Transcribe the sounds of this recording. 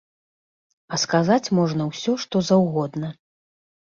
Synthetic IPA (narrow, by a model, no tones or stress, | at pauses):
ɐskazat͡sʲmɔʐnɐwsʲɔʂt̪ɔzɐwɣɔd̪nɐ